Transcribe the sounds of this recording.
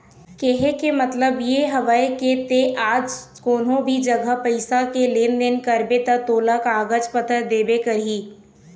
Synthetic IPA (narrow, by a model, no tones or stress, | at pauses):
keɦekemɐt̪ləbjeɦɐʋaːeket̪eʔaːd͡ʒ | koːnõbʱid͡ʒɐɡəpɐɪsakeleːnd̪enkɐɾbet̪at̪oːlakaːɡət͡ʃpət̪ʰəɾd̪eːbekɐɾɦiː